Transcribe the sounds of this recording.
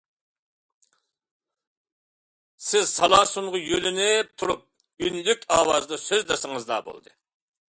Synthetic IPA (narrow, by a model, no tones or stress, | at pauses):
sɪzsɑlˠɑːsunʁʊjølynɪt̪ʰuɾup̚ | ynlykʲɑːwɑːzɨd̪ɑsøzd̪ɑsɨŋɨzd̪ɑ̰bo̰lˠd̪ɨ